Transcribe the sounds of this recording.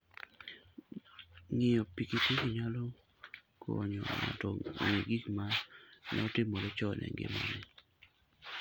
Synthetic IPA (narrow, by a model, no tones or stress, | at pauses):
ŋɪjɔpikiteɡiɲalɔ | kɔɲɔŋatɔɲeɡikmanɔtɪmolɪt͡ʃɔnɛ̰ŋɡɪ̰mɔ̰nɪ